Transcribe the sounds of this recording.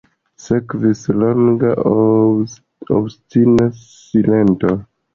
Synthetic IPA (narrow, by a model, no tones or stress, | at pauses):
sekvisloŋɡa | o̰bstinas | ilento